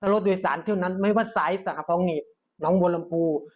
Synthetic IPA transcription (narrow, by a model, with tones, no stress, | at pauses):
tʰa˧lo˦˥t̪̚duː˧˨jsaː˨˩˦nt̪ʰiː˥˩˨wna˥˨nma˥˩˨jwa˧˥˩t̪̚sa˨˦jsa˨˩ka˧˩pʰɔː˧˥ŋniː˧˨˩ | nɔː˦˥ŋbo˧nla˧mpʰuː˧